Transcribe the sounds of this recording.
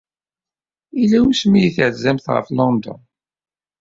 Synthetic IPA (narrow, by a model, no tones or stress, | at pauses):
ilːæwusmijiθʕzæmθʁə̰flɔnd̪ɔ̰n